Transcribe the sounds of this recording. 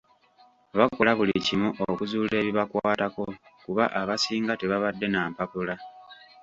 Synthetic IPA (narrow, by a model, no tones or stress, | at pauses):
βakwolaβulicimuʔokuzuːle̞ːβiβakwaːtako̞kuβaʔaβasiːŋɡate̞βaβadːe̞naːmpapula